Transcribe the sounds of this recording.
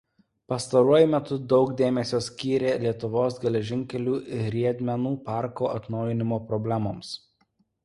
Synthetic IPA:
pɐst̪ɐɾuɔjʊmʲɛt̪ʊd̪ɒʊkd̪ʲeːmʲɛsʲoːsʲkʲiːɾʲeːlʲiɛt̪ʊʋoːsɡʲɛlʲɛʒʲɪŋʲkʲɛlʲuːɾʲiɛd̪ʲmʲɛnuːpɑˑɾkoːʔɐt̪nɒʊjɪnʲɪmoːpɾɔbʲlʲæmoːms

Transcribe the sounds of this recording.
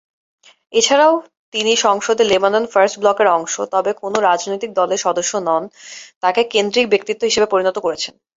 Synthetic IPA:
et͡ɕʰaɾao | t̪iniʃɔŋʃod̪ʱelebanonfaɾsʈblɔkeɾɔŋʃot̪ɔbekonoɾad͡ʑnojt̪ik̚d̪ɔleɾʃɔd̪oʃːonɔnt̪akekend̪ɾikbek̚t̪it̪ːoɦiʃebepoɾinot̪okoɾet͡ɕʰen

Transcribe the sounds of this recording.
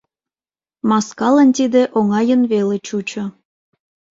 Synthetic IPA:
mɑskɑlənt̪id̪eʔoŋɑjənβelet͡ɕut͡ɕŏ

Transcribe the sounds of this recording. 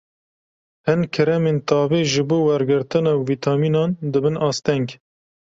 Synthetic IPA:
hɨnkʰɨɾɛmeːnt̪ɑːveːʒɨboːwɛɾɡɨɾt̪ɨnɑviːt̪ʰɑːmiːnɑːnd̪ɨbɨnʔɑːst̪ɛŋɡ

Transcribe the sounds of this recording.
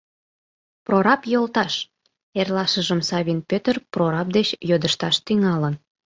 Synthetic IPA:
proɾɑpjolt̪ɑʃ | erlɑʃəʒəmsɑβʲinpøt̪ərproɾɑp̚d̪et͡ɕjod̪əʃt̪ɑʃt̪yŋɑlən

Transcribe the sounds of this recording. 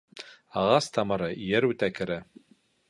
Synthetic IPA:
ɑʁɑst̪ʰɑmɤ̆ɾɤʔjæɾʉt̪ækɘ̆ɾæ

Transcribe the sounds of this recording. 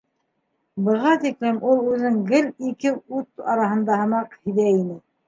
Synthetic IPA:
bɤ̆ʁɑt̪iklɘmʔulˠʉðɘŋɡɘlikɘʉt̪ɑ̰ɾɑhɤ̆nd̪ɑhɤ̆mɑqhiðæinɘ

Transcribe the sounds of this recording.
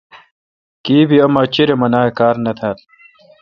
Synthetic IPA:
kiːbiɐmɐt͡ɕiɾemɐnaːekaːɾnɐt̪ʰaːl

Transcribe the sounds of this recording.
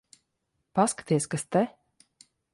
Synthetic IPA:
paskḁt̪iɛsʲkast̪ɛ

